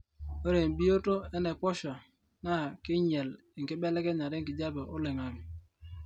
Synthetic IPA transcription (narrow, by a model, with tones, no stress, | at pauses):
o˦ɾe˨m̩˨bi˦o˦to˦ɛ˦nɛ˨pɔ˦ʃa˨ | na˦˨kɪ˦ɲɛ˨l | ŋ̩˨ki˦bɛ˦lɛ˦kɛ˦ɲa˨ɾe˦ŋ̩ki˨d͡ʒa˦be˨ʔo˦lɪ˨ŋa˨mi˨